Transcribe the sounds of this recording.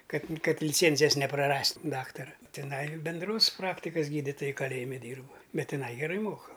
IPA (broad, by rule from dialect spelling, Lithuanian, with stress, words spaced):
kɐt ˈkɐt lʲɪˈt͡sʲeːnʲzʲɪjɛs nʲɛprɐˈrɐsʲtʲ ˈdɑːktɐrɐ tʲɪˈnɐɪ bʲɛnˈdroːs ˈprɑːktʲɪkɐs ˈɡʲiːdʲɪtoːjɛ kɐˈlʲeːjɪmʲɪ ˈdʲiːrp ˈbʲɛt tʲɪˈnɐɪ ɡʲɛˈrɐɪ ˈmoːkɐ